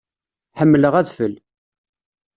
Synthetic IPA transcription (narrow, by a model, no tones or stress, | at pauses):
ħəmːələʁæðfəl